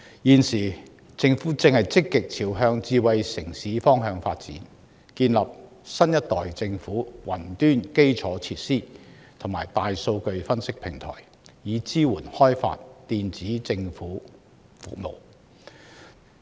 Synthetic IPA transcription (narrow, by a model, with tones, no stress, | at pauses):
jiː˨nsiː˨˩ | t͡sɪ˧ŋfuː˨˥t͡sɪ˧ŋhɐ˨jt͡sɪ˥kːɪ˨k̚t͡sʰiː˨˩wɦœː˧ŋt͡siː˧wɐ˨jsɪ˨˩ŋsiː˨˥fɔː˥ŋɦœː˧ŋfa̰ː˧t̚t͡sḭː˨˥n | kiː˧nlɐ˨p̚ | sɐ˥njɐ˥t̚t̪ɔː˨jt͡sɪ˧ŋfuː˨˥wɐ˨˩nt̪yː˥nke˥jt͡sʰɔː˨˥t͡sʰiː˧˥t̚siː˥ | t̪ʰʊ˨˩ŋmaː˨˩jt̪aː˨jso˧wkɵ˧ɥfɐ˥nsɪ˥k̚pʰɪ˨˩ŋt̪ʰɔ̰ː˨˩j | jiː˨˧t͡siː˥wuː˨˩nhɔː˥jfa̰ː˧t̚t̪iː˧nt͡siː˨˥t͡sɪ˧ŋfuː˨˥ | fṵ˨k̚mo̰˨˩w